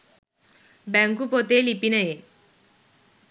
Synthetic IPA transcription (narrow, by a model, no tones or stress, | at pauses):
baŋkupot̪elipinəe